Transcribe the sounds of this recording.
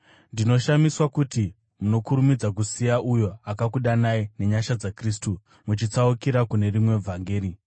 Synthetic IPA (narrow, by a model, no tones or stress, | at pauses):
ndino̞ʃamiswakuti | muno̞kuɾumid͡zak̬usijaʔujo̞akakuɗanaine̞ɲaʃad͡zakristu | mut͡ʃit͡saukiɾakune̞rimwe̞vʱaŋɡeːɾi